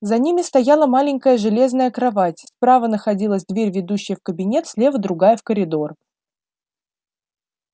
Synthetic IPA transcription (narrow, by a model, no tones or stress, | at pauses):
zɐnʲimʲɪst̪ɐjalˠəmalʲɪŋʲkəjəʐɨlʲe̞znəjəkɾɐvatʲspɾavənəxɐdʲilˠəsʲd̪vʲeɾʲvʲɪd̪uɕːɪjəfkəbʲɪnʲe̞t̪sʲlʲevəd̪ɾʊɡajəfkəɾʲɪd̪o̞r